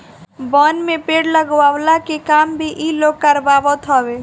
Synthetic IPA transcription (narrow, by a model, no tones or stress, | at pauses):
bɔnmepeɽləɡwaʋlakekambʱiʔiloɡ̚kəɾbabət̪ɦɔbe